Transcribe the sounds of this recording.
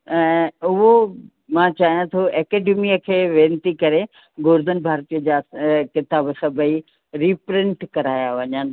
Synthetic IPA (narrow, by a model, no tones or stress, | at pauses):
ɛ̃ːʊɦo | mãt͡ɕaːɦijãt̪ʰoɛːkeːɖemiəkʰeːʋẽːnt̪ikɐɾe | ɡʊːɾd̪ən̆bʱaːɾt̪ijəd͡ʑakɪt̪aːbsɐbəi | ɾiːpɾɪ̃ɳʈkɐɾaːjaʋɐɲənɪ̆